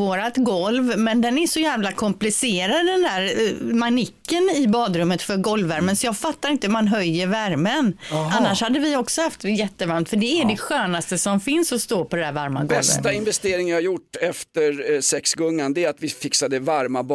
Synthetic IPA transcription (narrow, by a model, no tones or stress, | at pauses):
oːɾat̪ɡɔlvmɛnd̪ɛnæʂɔjæːvlakʰɔmplɪseːɾad̪d̪ɛnd̪æːɾmanɪkːənɪbɑːd̪ɾɵmːət̪fœɾɡɔlvæɾmənsɔjɑːɡfat̪ːaɾɪnt̪əmanɦœjːəɾvæɾmənanːaʂhad̪ːəvɪɔksɔhaft̪jɛt̪ːəvaɾmt̪fœɖɛæɖɛɧøːnast̪əsɔmfɪnsɔst̪oːpʰɔd̪ɛd̪æːɾvaɾma̰ɡɔɛlvəst̪aɪnvɛst̪eːɾɪŋvɪhaɾjʊʈːɛft̪əɾsɛksɡɔŋːand̪ɛːat̪vɪfɪksad̪əvaɾmab